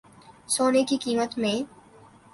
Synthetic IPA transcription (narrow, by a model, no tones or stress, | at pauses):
soːnekikiːmət̪mẽ